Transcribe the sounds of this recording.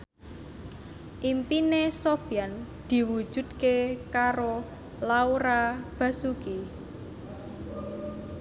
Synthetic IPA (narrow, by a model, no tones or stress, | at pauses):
ʔimpinesofijan | d̪̥i̤wu̥ʒ̥ṳd̪̥kekaɾo | lauɾab̥a̤suki